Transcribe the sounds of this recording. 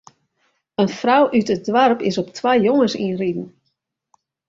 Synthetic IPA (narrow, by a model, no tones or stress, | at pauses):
ənfrawʔytət̚dʋarpɪsɔptʰʋajjoŋəsḭnridn̩